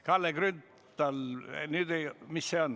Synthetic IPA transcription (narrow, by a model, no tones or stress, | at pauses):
kɑlːeɡrynt̪ːˑ | ɑl̰nyːd̪̥ejmisːeon